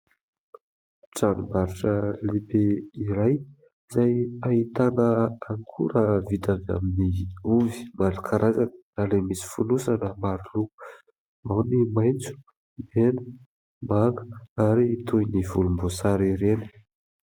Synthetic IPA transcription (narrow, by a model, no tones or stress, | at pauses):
ʈ͡ʂanumaɾiʈ͡ʂəlebeiɾaj | izajait̪anəaŋkʰṵɾavit̪ava̰miniuvi̥malakʰaɾʔazanə̥ | alemisi̥funusanəmaɾulu | mawnimajnt͡su̥ | benə̥ | maŋɡə̥aɾiːt̪ujnivulumbosaɾiɾenə̥